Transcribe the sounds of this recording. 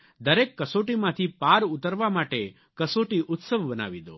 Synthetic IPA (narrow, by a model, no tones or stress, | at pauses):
d̪ɐɾeːkːɐsoːʈimat̪ʰipaːɾut̪ɐɾʋamaːʈe | kɐsoːʈiʔut̪sɐʋbɐna̰ːʋid̪o